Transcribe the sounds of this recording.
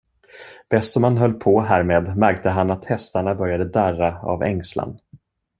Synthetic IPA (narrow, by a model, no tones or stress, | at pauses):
b̥ɛst̪sɔmhanɦœlːpʰɔɦæːɾmeːd̪mæɾk̚t̪əɦanat̪hɛst̪aɳabœɾjad̪əd̪æraa̰vɛŋsla̰n